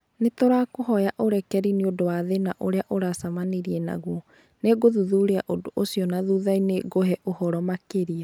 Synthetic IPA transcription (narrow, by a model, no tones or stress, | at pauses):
netoɾakoɦɔjaʔoɾɛkɛɾineodowaðenaʔoɾeaʔoɾasamaneɾiɛna̰ɣwɔ | neɡoðuðuɾeaʔodoʔosiɔnaðuðaineɡoɦɛʔohɔɾɔmakeɾia